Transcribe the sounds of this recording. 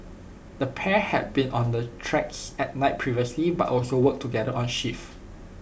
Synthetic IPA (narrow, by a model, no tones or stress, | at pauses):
dəpʰɛhɛ̰d̚bĩnʔɔ̃ndətʰɹɛksɛt̚naɪt̚pʰɹiviəsliba̰tɔlsowək̚tʰuɡɛdəʔɔ̃nʃif